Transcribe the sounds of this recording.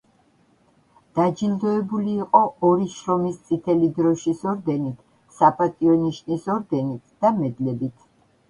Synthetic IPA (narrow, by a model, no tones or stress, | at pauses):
d̪̥ad͡ʒild̪ɔɛbuliːqʼɔɔɾiʃɾɔmist̪sʼit̪ʰɛlid̪ɾɔʃisɔɾd̪ɛnit̪ʰ | sapʼat̪ʼiɔniʃnisɔɾd̪ɛnit̪ʰd̪̥amɛd̪lɛbit̪ʰ